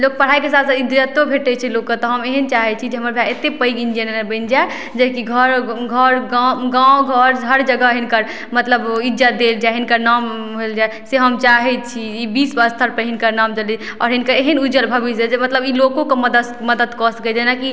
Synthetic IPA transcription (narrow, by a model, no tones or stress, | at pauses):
lok̚pəɽ̤aikesat̪said̪ɾət̪obʱeʈɛt͡ʃʰilokːət̪ɔɦəmeɦənt͡ʃaɦɛt͡ʃʰid͡ʒeɦəməɾbʱjaet̪epəiɡind͡ʒiənebə̃ɪnd͡ʒae | d͡ʒekiɡʱəɾɡʱəɾɡaɡãɡʱəɾɦəɾd͡ʒəɡəɦinkəɾ | mət̪ləbid͡ʒad̪eld͡ʒaɦinkəɾnam | ɦeld͡ʒaeseɦəmt͡ʃaɦɛt͡ʃʰiibisbəst̪ʰəɾpəɾɦinkəɾnamd͡ʒəli | ɔɾɦinkəɾeɦənud͡ʒəlbʱəbisad͡ʒemət̪ləbilokõkeməd̪ə | məd̪əd̪kɔsked͡ʒenaki